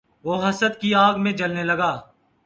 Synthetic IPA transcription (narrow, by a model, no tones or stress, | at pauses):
ʋoːɦəsət̪kiaːɡmẽd͡ʒəlneləɡaː